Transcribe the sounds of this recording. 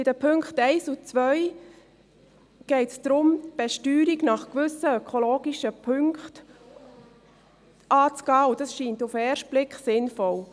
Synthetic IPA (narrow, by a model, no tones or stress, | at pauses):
bɪdəpʰʏŋkχtɛɪsut͡sʋœʏ | ɡ̥ɛɪtsd̥ɾʊmb̥ɛʃtyːɾiɡnɑχkvʏsəœkʰoloːɡiʃəpʰʏŋkχt | ʔɑːt͡sɡ̥ɑːudɑsʃiːntufɛːʃt̚b̥lɪkχsɪnfɔl